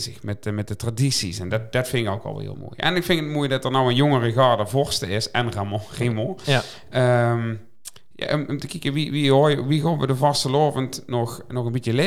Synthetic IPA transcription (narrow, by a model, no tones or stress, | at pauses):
zəxmɛt̚əmɛt̚dətradisisɛndtd̥ɑtfɪnɪko̰wkɑ̰lˠhɪ̰ːlˠmo̰ːjɛ̰nɪkfɪnkətmuːjədɑtəɹnɔwənjoŋərəɣɑːɹdəvɔɹstəɪsɛnramɔremɔ̃ | əm | ja̰ʔɔmʔɔmtəkikəʋiʋiɦojʋiroːʋədəvɑstəloːvəntnɔxnɔɣənbitəle